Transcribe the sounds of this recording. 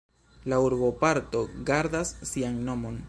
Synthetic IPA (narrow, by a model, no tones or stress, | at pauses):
lauɾbo̞paɾto̞ɡaɾd̪asːiaŋno̞mo̞n